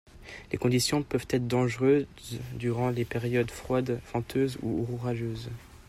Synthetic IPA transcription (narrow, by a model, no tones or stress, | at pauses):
lekɔ̃d̪isjɔ̃pœvt̪ɛt̪χd̪ɑ̃ʒʁøzd̪yʁɑ̃lepeʁjɔd̪fχwad̪fɑ̃t̪ʰøzṵuʁuʁaʒøːz